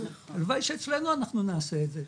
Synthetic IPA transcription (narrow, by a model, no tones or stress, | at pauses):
alvajʃet͡slenuanaχnunaːseːdze